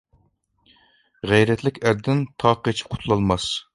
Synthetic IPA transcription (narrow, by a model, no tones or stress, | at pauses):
ʁɛjɾɛt̪ʰlɪkʲæɾd̪ɪnt̪ʰɑːqʰet͡ʃʰi̥p̚qʰʊ̥t̪ʰlˠɑlˠmɑs